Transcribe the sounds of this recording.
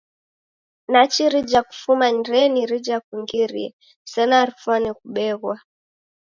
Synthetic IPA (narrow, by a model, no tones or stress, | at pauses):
nat͡ʃiɾid͡ʒaku̥fumanɾɛniɾid͡ʒakwiŋɡiɾiɛ | sɛnaɾifanikuɓɛɣwa